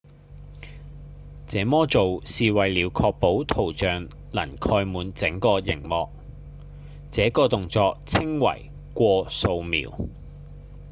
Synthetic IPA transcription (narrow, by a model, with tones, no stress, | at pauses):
t͡sɛː˨˥mɔː˥t͡so˨wsiː˨wɐ˨jliː˨˧wkʰɔː˧k̚po˨˥wt̪ʰo˨˩wt͡ʃœː˨ŋ | lɐ˨˩nkʰɔː˧jmuː˨˧nt͡sɪ˨˥ŋkɔː˧jɪ̰˨˩ŋmɔː˨k̚ | t͡sɛː˨˥kɔː˧t̪ʊ˨ŋt͡sɔː˧k̚t͡sʰɪ˥ŋwɐ̰˨˩j | kʷɔː˧so˧wmḭː˨w